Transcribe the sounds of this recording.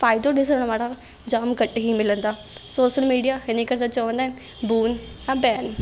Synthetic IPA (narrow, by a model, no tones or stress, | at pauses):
faːɪd̪õɗɪsəɾəɽ̃ʋaːɽa | d͡ʒaːmɡəʈɦimɪlə̃nd̪aː | soːʃəlmiːɖijaɪnẽkɐɾd̪at͡ʃəʋə̃nd̪aɦɪn | buːnjãbɛːn